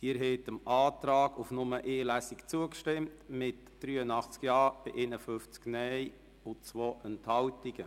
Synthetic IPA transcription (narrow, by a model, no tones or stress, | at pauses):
diːəɾɦɛtəmɑːtɾɑːɡufnʊməʔeːlæsikt͡suəkʃtɪmtmɪt | d̥ɾyːənɑχt͡skjɑːb̥iʔeːnəfʏft͡sknɛj | ʊt͡sʋoːənthɑwtiɡ̥ə